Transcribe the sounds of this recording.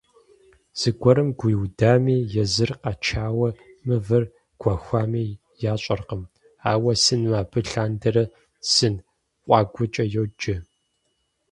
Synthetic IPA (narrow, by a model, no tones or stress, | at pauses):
z̥ɨɡʷɔɾɨmɡʷʊjwdaːmiːjɛzɨrqɐt͡ʃʰaːwɐmɨvɐr | ɡ̥ʷaxʷaːmiː | jaːɕʼɐrqəm | aːwɐsɨnmaːbɨɬaːndɐɾɐ | sɨn | qʷʼɑːɡʷʊt͡ʃʼɐjowd͡ʒɪ